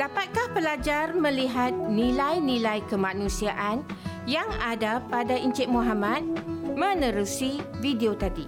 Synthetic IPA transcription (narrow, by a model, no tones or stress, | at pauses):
d̥apat̪̚kahpəlad͡ʒarmə̃liɦat̪̚nĩlajnĩlajkəmãnũsiaʔanjaŋadapadaʔiɲt͡ʃɪʔ̚moɦamãt̪̚mə̃nə̃ɾusivideot̪adi